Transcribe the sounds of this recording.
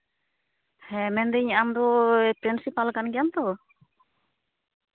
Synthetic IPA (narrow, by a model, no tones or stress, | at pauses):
hɛmɛnd̪ɛɲaʔamd̪ɔpɾinsipalkanɡɛjamt̪ɔ